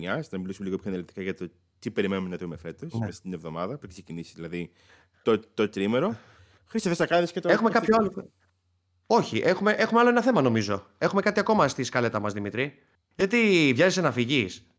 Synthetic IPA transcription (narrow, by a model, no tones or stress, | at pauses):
ɲɐsnɐmilisumeiɣopçonelit̪ikɐʝɐt̪o | t̪ipe̞ɾimenumenɐðumefe̞t̪osneest̪inevðo̞mɐðɐpuksecinisi̥zilɐði | t̪ot̪ot̪ɾimeɾo̞ | xɾist̪oθesɐkɐðescet̪oexume̞kɐpçoalo | o̞çiʔe̞xume̞ʔe̞xumeɐloenɐθe̞mɐno̞mizo̞e̞xume̞kɐt̪iɐko̞mɐst̪iskɐle̞t̪ɐmɐzðimit̪ɾi | ʝɐt̪ivʝezesenɐfiʝis